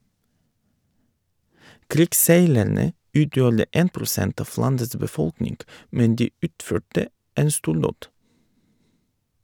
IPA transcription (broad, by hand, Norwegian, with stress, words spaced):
ˈkɾɪkˌseɪlæɳə ˈʉːtjuːɾə ˈeːn pɾʊˈsɛnt ˈɑf ˈlɑndəs bəˈfɔlknɪŋɡ ˈmɛn ˈdiː ˈʉːtˌføːʈə ˈeːn ˈstuːɾˌdoːd